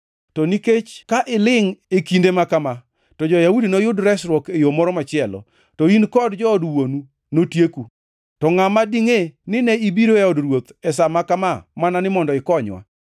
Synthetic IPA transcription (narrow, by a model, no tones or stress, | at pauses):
tɔniket͡ʃkaʔɪlɪŋekindemakama | tɔd͡ʒɔjaudinojʊdɾɛsɾwɔkejomɔɾɔmat͡ʃɪɛlɔ̰ | tɔinkɔdd͡ʒɔːdwonu | notjeku | tɔŋamadiŋenɪnɛibiɾoeɔdrwot̪ɛsamakamamananɪmɔndɔɪkɔɲwa̰